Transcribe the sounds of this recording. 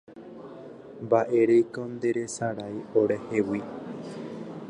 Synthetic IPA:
mbaʔe̞ɾejkõnd̪e̞ɾe̞saɾajoɾe̞hewi

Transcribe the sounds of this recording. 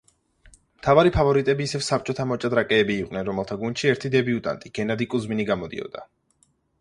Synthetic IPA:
mt̪ʰavaɾipʰavɔɾit̪ʼɛbiːsɛvsap̚t͡ʃʼɔt̪ʰamɔt͡ʃʼad̪ɾakʼɛːbiːqʼnɛnɾɔmɛlˠt̪ʰaɡund̪ʃiɛɾt̪ʰid̪ɛbiut̪ʼa̰nt̪ʼiɡ̥ɛnad̪ikʼuzminiɡamɔd̪ḭɔ̰d̪a

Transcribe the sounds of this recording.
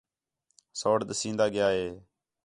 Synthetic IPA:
soːɽɗ̪əsĩːnd̪aːɡɪjaːɦeː

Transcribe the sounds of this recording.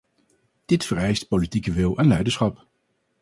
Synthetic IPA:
d̥ɪtfəɹɛjst̚politikəʋɪlˠɛnlɛjdəɹsχɑp

